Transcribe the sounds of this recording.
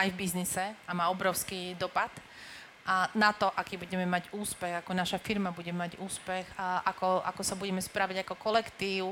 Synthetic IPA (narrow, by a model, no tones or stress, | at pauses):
ajvbiznisɛamaːɔbɾɔʊskiːd̪ɔpat̪ | nat̪ɔʔakiːbuɟɛmɛmaɟuːspɛɣakɔnaʃafiɾmabuɟɛmaɟuːspɛxʔakɔʔa̰kɔsabuɟɛmɛspɾaʋiɟakɔkɔlɛkt̪iːʊ